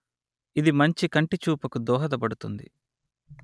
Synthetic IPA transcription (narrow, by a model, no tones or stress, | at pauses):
id̪imɐɲt͡ʃikɐɳʈit͡ʃuːpɐkud̪ɔːɦɐd̪ɐbɐɽut̪und̪ḭ